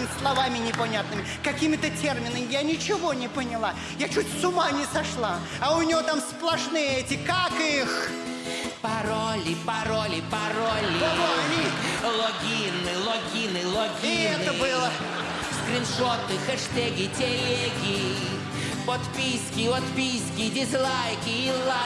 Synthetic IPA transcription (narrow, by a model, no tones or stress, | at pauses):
mʲɪslˠɐvamʲɪnʲɪpɐnʲat̪̚nɨmʲɪkɐkʲimʲɪt̪ətʲermʲɪnəmʲɪjanʲɪt͡ɕɪvo̞nʲɪpənʲɪlˠa | jat͡ɕutʲsʊmanʲɪsɐʂlˠa | ɐʊnʲɪjot̪amsplˠɐʂnɨjəɛtʲɪkakix | pɐɾolʲɪpɐɾolʲɪpɐɾolʲɪɐvoɐnʲilˠoɡʲinːɨlˠoɡʲinɨlˠoɡʲɪɛt̪əbɨlˠə | skɾʲɪnʂot̪ɨxɛʂt̪ɛɡʲɪtʲelʲeɡʲɪ | pot̪pʲisʲkʲɪot̪pʲisʲkʲɪdʲɪzlˠajkʲɪɪlˠa